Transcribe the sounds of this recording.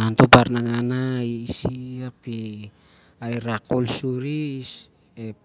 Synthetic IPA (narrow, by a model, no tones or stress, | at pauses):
ŋant̪oparnaŋanaisiapi | aiɾakolsuɾis | e